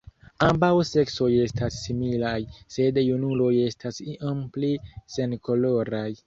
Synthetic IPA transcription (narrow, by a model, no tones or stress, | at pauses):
ambawse̞kso̞je̞stasːimilajse̞djunulo̞je̞stasiʔomplise̞nko̞lo̞ɾaj